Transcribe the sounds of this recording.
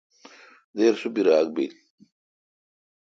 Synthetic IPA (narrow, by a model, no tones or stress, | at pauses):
d̪eːɾsubiɾaːɡ̚bil